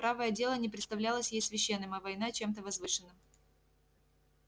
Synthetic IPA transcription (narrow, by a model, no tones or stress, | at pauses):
pɾavəjədʲe̞lˠənʲɪp̬ɾʲɪt̪st̪ɐvlʲalˠəsʲjejsvʲɪɕːenːɨmɐvɐjnat͡ɕe̞mt̪̬əvɐzvɨʂɨnːɨm